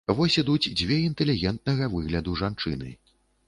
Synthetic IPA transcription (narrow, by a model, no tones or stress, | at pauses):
vɔsʲid̪ut͡sʲd͡zʲvʲɛint̪ɛlʲiɣʲɛnt̪̚nɐɣɐvɨɣlʲɐd̪uʐant͡ʂɨ̰nɨ̰